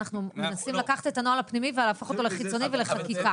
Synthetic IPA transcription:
naχnumenasimlakaχḁt̪et̪anoalapnimivealaːfoχo̞t̪o̞leχit͡so̞nive̞le̞χakika

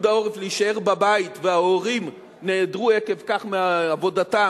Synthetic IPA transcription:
dao̞ʁefleiʃae̞ʁbabaitveaoʁim | neːdʁuekevkaχmeaːvo̞data

